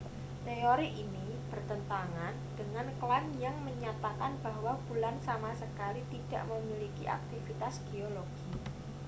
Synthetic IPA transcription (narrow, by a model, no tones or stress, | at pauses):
t̪eoɾiʔini | b̥ərt̪ənt̪aŋand̥əŋanklanjaŋməɲat̪akanb̥aɦwab̥ulansamasəkalit̪id̥a̰ʔməmilikiʔa̰k̚t̪ifit̪asɡ̥eoloɡ̥i